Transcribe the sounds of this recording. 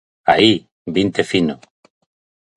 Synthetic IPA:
a̰i | bint̪efino

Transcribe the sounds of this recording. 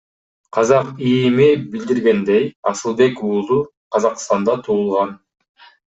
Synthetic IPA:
qʰɑzɑqijmibild̪iɾɡe̞nd̪ejɑ̰sɯlˠbe̞kuːzu | qʰɑzɑqst̪ɑnd̪ɑt̪ʰuːlˠʁɑn

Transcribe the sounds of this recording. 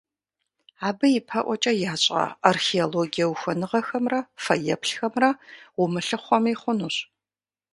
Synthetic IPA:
aːbɨjɪpʰɐʔʷɔt͡ʃʼɐjaːt͡ɕʼɐ̰arxeoloɡijɐwxʷɔnɨʁɐxɐmrɐfɐjɐpʰɬxɐmrɐʁʷʊmɨɬɨχʷɔmiːχʷʊnuːɕ

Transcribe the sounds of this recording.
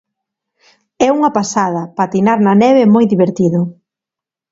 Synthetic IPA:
ɛuŋɐpasaðɐpat̪inaɾnɐnɛβemojðiβeɾt̪iðʊ

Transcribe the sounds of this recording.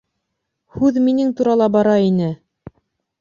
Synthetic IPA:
hʉðminɘŋt̪uɾɑlˠɑbɑɾɑinɘ

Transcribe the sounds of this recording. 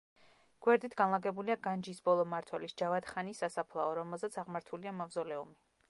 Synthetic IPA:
ɡ̥wɛɾd̪it̪ʰɡ̥anlˠaɡɛbuliaɡand͡ʒisbɔlˠɔmaɾt̪ʰwɛlisd͡ʒavat̪χanisasapʰlˠaɔɾɔmɛlˠzɛt̪sʰaʁmaɾt̪ʰuliamavzɔlɛumi

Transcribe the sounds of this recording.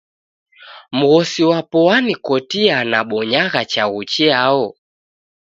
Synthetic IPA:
m̩ɣɔsiwapɔanikɔtianaɓɔɲaɣat͡ʃaɣut͡ʃɛaɔ

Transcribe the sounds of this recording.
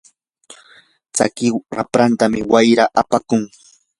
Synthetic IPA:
t͡sa̰kɪɾa̰pɾant̪amɪwajɾaʔapakʊŋ

